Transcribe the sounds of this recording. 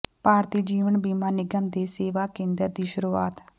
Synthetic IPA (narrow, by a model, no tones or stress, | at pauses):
paːɾt̪iːd͡ʒiːʋənbiːmaːnɪɡəmd̪eːseːʋaːkẽːnd̪əɾd̪iːʃʊɾuːa̰ːt̪